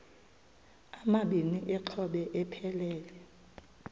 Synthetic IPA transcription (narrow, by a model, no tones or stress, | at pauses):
amaɓiniʔɛǁʰɔɓɛʔɛpʰɛlɛːlɛ